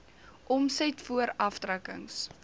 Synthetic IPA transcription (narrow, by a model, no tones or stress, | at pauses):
ʔɔmsɛtfuəɾɐftrəkə̰ŋs